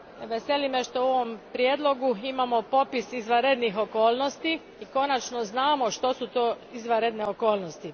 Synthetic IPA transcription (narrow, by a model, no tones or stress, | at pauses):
ʋe̞se̞limeʃt̪ooʋo̞mpɾjeːd̪lˠo̞ɡuimamo̞po̞pisizʋaɾed̪nixo̞ko̞ːlno̞st̪i | iko̞nat͡ʃno̞znaːmo̞ʃt̪o̞sut̪oː | izʋaɾed̪ne̞oko̞ːlˠnost̪i